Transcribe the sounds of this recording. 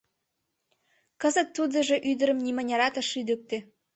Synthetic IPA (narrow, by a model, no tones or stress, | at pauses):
kə̆zə̆t̪ːud̪ə̆ʒĕʔyd̪ə̆ɾə̆mnimɑnʲɑɾɑt̪ə̆ʃyd̪ə̆k̚t̪e